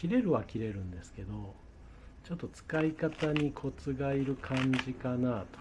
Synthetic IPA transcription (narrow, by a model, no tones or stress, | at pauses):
iɾe̞ɾɯ̟βakʲiɾe̞ɾɯ̟̃nd̪e̞sɨ̥ke̞d̪o̞ | t͡ɕo̞t̪ːo̞t͡sɨ̥kaikat̪aɲ̟ikʰo̞t͡sɨɡaiɾɯ̟kʰãɲd͡ʑikanat̪o̥